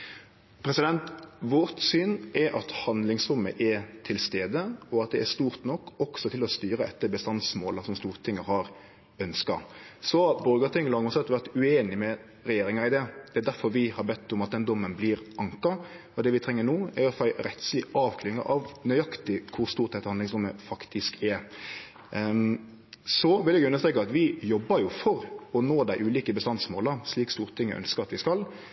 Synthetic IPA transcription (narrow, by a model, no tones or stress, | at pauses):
pʰɾɛsɪd̪ɛnt̪ʋɔɾt̪syːnɛɾʔɑt̪hɑnd̪lɪŋsɾʊmːə̰ʔɛɾt̪ʰɪlst̪eːd̪əɔɑt̪̚d̪ɛæʂt̪uːɾt̪nɔkːɔksɔt̪ʰɪlɔst̪yːɾəɛt̪ːəbəst̪ɑnsmoːlɑsɔmst̪uːɾt̪ʰɪŋːəhɑɾ | œnskɑ̰sɔbɔɾɡət̪ʰɪŋːəlɑŋɔsɛt̪ʋæɾt̪ʉeːnɪmɛ | ɾɛjeːɾɪŋɑɪd̪ɛːd̪̥ɛæɾd̪æɾfɔɾʋɪhɑɾbɛt̪ːʊmɑt̪̚d̪ɛnd̪ɔmːənblɪɾʔɑŋkɑ | ɔd̪ɛʋɪt̪ʰɾɛŋːəɾnuːæɔfɑɪɾɛt̪slɪʔɑːʋkʰlɪŋːə̰ʔɑʋnœʏɑkt̪ɪkʰʊɾst̪uːɾt̪̚d̪ɛt̪ːəhɑnɪŋsɾʊmːəfɑkt̪ʰɪskɛ | sɔʋɪljɛɡʉnːəst̪ɾeːkɑɑt̪ʋɪjɔbːəɾjʊfɔɾɔnoːd̪æɪʔʉːliːkəbəst̪ɑnsmoːləɾʂliːkst̪uːɾt̪ʰɪŋːə̰ʔœ̰nskəɾɑt̪ʋɪskɑl